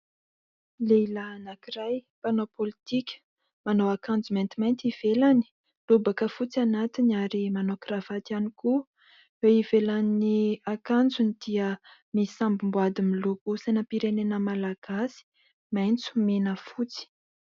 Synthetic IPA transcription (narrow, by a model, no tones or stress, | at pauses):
leilanakirajpanopolit̪ikʲə̥ | manowakand͡zument̪imajnt͡siv̥elani̥ | lubakəfut͡sianat̪inaɾimanokrav̥at̪ianiku | weivelaniakand͡zunid̪̥iəmisambimbuad̪imilokusanəpiɾenenəmalaɡ̥asi̥ | majnt͡su̥menəfut͡si̥